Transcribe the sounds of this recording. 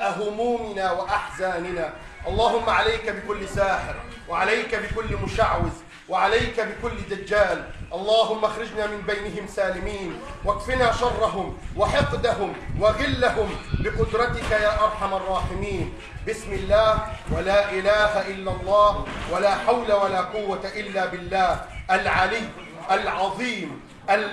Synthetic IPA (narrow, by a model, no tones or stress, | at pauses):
ʔaɦʊmuːmɪnaːwaʔaħzaːnɪnaː | ʔɑlˤːɑːɦʊmːaʕalajkabɪkʊlːɪsaːħɪɾ | waʕalajkabɪkʊlːɪmʊʃaʕwɪz | wɪʕalajkabɪkʊlːɪd̪ad͡ʒːaːlʔɑlˤːɑːɦʊmːaxɾɪd͡ʒnaːmɪmbajnɪɦɪmsaːlɪmiːnwakfɪnaːʃɑrˤːɑɦʊmwɪħɪqd̪aɦʊmwaɣɪlːahʊmbɪqʊd̪ɾˤɑt̪ɪkajaːʔɑɾˤħamɑrˤːɑːħɪmiːn | bɪsmɪlːaːhwalaːʔɪlaːhaʔɪlːalˤːɑːhwalaːħawlawalaːqʊwːat̪aʔɪlːaːbɪlːaːhʔalʕalɪjː | ʔalʕɑðˤiːm | ʔal